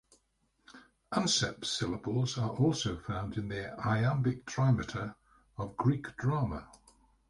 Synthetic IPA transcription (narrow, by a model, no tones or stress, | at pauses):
ʔʌ̃nsɛ̰psɪləbəlˠzəɹʔɔˑlˠsoʊfãʊ̃ndɪ̃nðiaɪãmbɪk̚tʰɹ̥aɪmətʰə | əvɡɹiˑkd̥ɹɑːmə̰